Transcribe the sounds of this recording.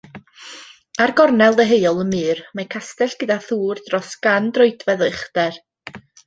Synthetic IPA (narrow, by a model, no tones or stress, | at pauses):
arɡɔrnɛlˠdəɦeɨɔlˠəmɨːrmakʰastɛɬɡ̥ədaθuːrdrɔsɡ̥andrɔɨdvɛðəχdɛr